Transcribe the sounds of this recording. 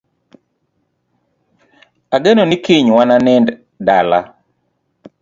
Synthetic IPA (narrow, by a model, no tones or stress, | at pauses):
aɡenonikiɲwananɛnd | dala̰